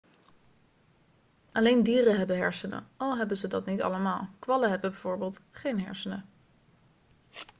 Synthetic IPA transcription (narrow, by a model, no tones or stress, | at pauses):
ʔɑlejndiːrəɦɛbəɦɛɹsənə̰ɑlˠɦɛbənzədɑtnitɑ̰ləmaːlˠkʋɑləɦɛbəbɛjv̥oːɹbeːlˠtχejnɦɛ̰ɹsənə